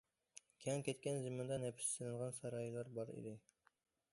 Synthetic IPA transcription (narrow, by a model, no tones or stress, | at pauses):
kʲʰɛŋkʲɛt̪kʲɛnzɨmɑnd̪ɑnɛpʰɪ̥ssɪnɨnʁɑnsɑɾɑːjilˠɑɾbɑɾḭd̪ɪ